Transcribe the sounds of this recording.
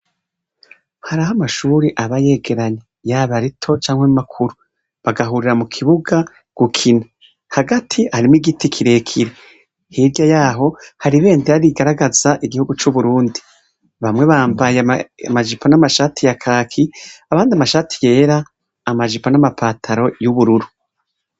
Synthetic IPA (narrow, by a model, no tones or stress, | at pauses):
haɾahamaʃuːɾiʔaβaje̞ːɡe̞ɾaɲe | jaβaɾitʰo̞t͡ʃaːŋhwemumakʰuɾu | βaɡaɦuɾiɾamukʰiβuɡa | ɡ̥ukʰina | haɡatʰihaɾimwiɡitikʰiɾe̞kʰiɾe | hiɾɟajaːɦo̞haɾiβe̞ːndiaɾiɡaɾaɡaz̥aʔiɡihuɡut͡ʃuβuɾuːndi | βamŋe̞βaːmbajea̰maʒipʰo̞namaʃaːtʰijakʰaːkʰiaβaːndiamaʃaːtʰi̥je̞ːɾaː | maʒipo̞namapʰaːtʰaɾo̞juβuɾuɾu